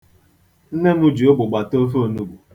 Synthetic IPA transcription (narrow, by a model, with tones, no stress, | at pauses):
n̩˦ne˦m̩˦u˦d͡ʒi˨o˦ɡ͡bʊ˨ɡ͡ba˨to˦fo˦˨nu˦ɡ͡bu˨